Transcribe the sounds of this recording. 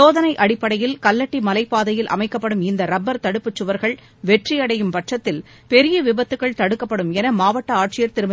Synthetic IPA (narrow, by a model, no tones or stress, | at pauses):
oːðɐnɐɪʔɐɽɪpːɐɽɐjɪlkɐlːɐʈːimɐlɐɪpːaːðɐjɪlʔɐ̰mɐɪkːɐpːɐɽɯmɪnd̪ɐɾɐbːɐɾt̪ɐɽɯpːɯt͡ʃːɯʋɐɾɣɐɭ | ʋɛʈrɪjɐɽɐjɯmpɐʈrɐt̪ːɪl | pɛɾɪjɐʋɪbɐt̪ːɯkːɐɭt̪ɐɽɯkːɐpːɐɽɯmɛnɐmaːʋɐʈːɐaːʈ̚t͡ʃɪjɐɾt̪ɪɾɯmɐ